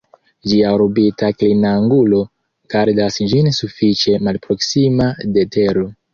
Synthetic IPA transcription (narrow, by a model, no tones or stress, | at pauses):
d͡ʒiaoɾbitaklinaŋɡulo̞ | kaɾdasd͡ʒinsufit͡ʃe̞malpɾo̞ksimadete̞ɾo